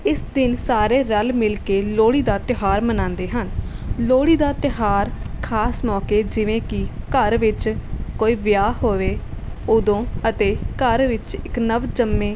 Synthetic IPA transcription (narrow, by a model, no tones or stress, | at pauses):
ɪsd̪ɪnsaːɾeːɾəlmɪlkeːloːɽiːd̪aːt̪ɪɦaːɾmənãːnd̪eːɦən | loːɽiːd̪aːt̪ɪɦaːɾkʰaːsmɔːkeːd͡ʒɪʋẽːkɪkəɾʋɪt͡ʃkoːiːʋɪjaːɦoːʋeːod̪õːət̪eːkəɾʋɪt͡ʃɪknəʋd͡ʒəmːẽː